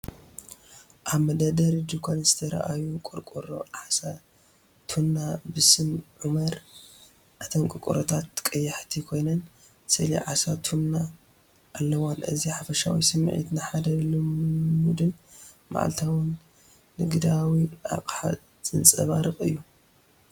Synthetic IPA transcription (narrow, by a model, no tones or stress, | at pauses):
ʔaβmɐd̪ad̪ɐɾd͡ʒukʰonzɨt̪ʰɐɾa̰ʔajukʼuɾkʼuɾo̰ʕasa | t̪ʰunːabɨsɨmʕumɐɾ | ʔat̪ʰɐmkʼɨkʼṵɾot̪ʰat̪ːkʼɐjːɐħt̪ʰikʰo̞jnɐn | sɨlḭʕasat̪ʰunːa | ʔːlːɐwanʔɨ̰ziħafɐʃa̰wḭsɨmːʕḭt̪nɨħad̪ɐlummud̪ɨn | ma̰ʕa̰lt̪ʰawɨnː | ɨɡɨd̪awiʔa̰kʼħa̰ | t͡sʼɨnt͡sʼɐβaɾɨχʼɨ̰jːu